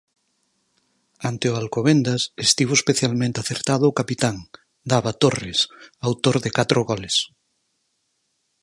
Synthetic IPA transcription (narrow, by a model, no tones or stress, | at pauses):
ant̪eoalkoβend̪asest̪iβoespeθjalmẽnt̪eaθeɾt̪aðʊokapit̪aŋ | d̪aβat̪oresawt̪oɾðekat̪ɾoɣɔles